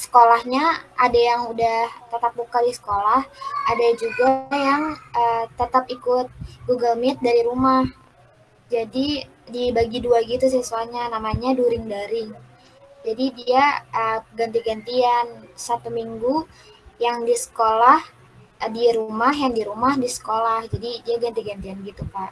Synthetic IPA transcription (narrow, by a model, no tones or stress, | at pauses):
sə̥kolahɲaʔadajaŋudaht̪ət̪ap̚bukadisə̥kolahadad͡ʒuɡajaŋət̪ət̪apikʊt̪̚ɡuɡalmit̪̚daɾiɾumah | d͡ʒadi | dibaɡiduaɡit̪us̬əsuaɲanamaɲaduɾɪŋdaɾɪŋ | d͡ʒadidiaʔəɡant̪iɡant̪iansat̪umiŋɡu | jaŋdisə̥kolah | diɾumaɦjaŋdiɾumahdisə̥kolahd͡ʒadidiaɡant̪iɡant̪ianɡit̪upaʔ